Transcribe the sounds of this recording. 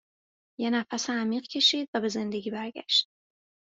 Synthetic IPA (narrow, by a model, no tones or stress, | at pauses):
jenæfæseæmiːɢcʰe̞ʃiːd̪væbe̞ze̞nd̪eɟʲiːbæɾɟæ̰ʃt̪